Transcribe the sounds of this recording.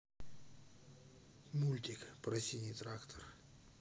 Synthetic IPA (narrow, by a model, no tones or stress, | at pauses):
mulʲt̪ʲikpɾɐsʲinʲijt̪ɾakt̪ʰər